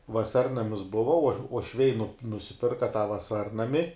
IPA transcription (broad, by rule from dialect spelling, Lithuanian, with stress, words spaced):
ʋɐˈsɐrnɐmʲɪs ˈbʊʋɐ uɔ uɔʃʲˈʋʲɛɪ nʊp nʊsʲɪˈpʲɪrkɐ tɑː ʋɐˈsɐrnɐmʲɪ